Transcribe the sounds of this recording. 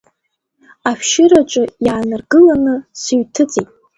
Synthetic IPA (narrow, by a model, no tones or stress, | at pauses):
aʃʃɪɾat͡ʃʷʼʊjaːnɨrɡɨlanɨsɨɥtʰɨt͡sʼijtʼ